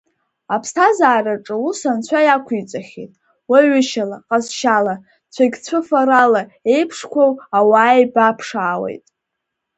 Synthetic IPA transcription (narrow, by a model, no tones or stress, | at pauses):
apʰstʰazaːraʈ͡ʂʼɨusant͡ɕʷʰajakʷʰit͡sʷʼaχʲḛtʼ | waɥʏʃalaqʼazʃala | t͡sʷʰaɡʲt͡sʷʰɨfaɾalae̞jpʰʂkʷʰowawaːjbapʰʂaːwḛjtʼ